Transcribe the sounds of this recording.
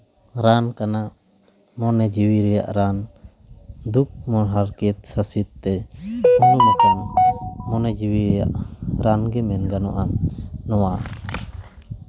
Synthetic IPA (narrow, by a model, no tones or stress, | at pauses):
ɾankana | mɔnɛd͡ʒiwiɾɛja̰ʔɾan | d̪uk̚mɔɦaɾkɛt̪̚sasit̪̚ːɛununakaŋmɔnɛd͡ʒiwiɾɛja̰ʔɾanɡɛmɛnɡanɔʔanɔwa